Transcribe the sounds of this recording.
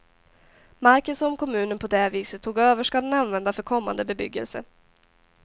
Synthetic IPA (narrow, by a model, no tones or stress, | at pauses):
maɾkənsɔmkʰɔmʉ̟ːnənpʰɔd̪ɛviːsət̪ʰːuːɡøːvəʂkad̪ɛnanvɛnd̪afœɾkʰɔmːa̰nd̪əbɛbʏ̰ɡːə̰lsə̰